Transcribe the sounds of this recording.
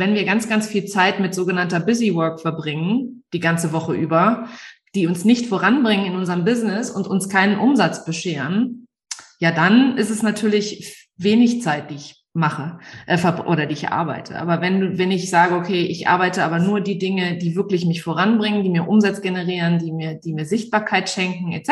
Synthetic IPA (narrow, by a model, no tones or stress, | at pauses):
vɛnviːɐɡant͡sɡ̥ant͡sfiːlt͡saɪtmɪtz̥oːɡənantɐbɪzivœɐkfɛɐbʁɪŋənd̥iːɡant͡səvɔχəʔyːbɐ | d̥iːʊnsnɪçtfoʁanbʁɪŋənɪnʔʊnzəʁəmbɪznɪsʊntʊnskʰaɪnənʔʊmzat͡sb̥əʃeːʁən | jaːdanɪstɛsnatʰyːɐlɪç | veːnɪçt͡saɪt̚d̥iːɪç | maχəʔɛfɛɐbʔo̰ːɾɐdiːɪçʔa̰ɐba̰ɪtʰə̰ʔa̰ːbɐvɛnduːvɛnɪçz̥aːɡəokʰeːʔɪçʔa̰ɐbaɪtəʔaːbɐnuːɐdiːdɪŋədiːvɪɐklɪçmɪçfoʁanbʁɪŋəndiːmiːɐʔʊmzat͡sɡ̥enəʁiːʁəndiːmiːɐdiːmiːɐzɪçt̚b̥aːɐkʰaɪtʃɛŋkŋ̩ɛ̰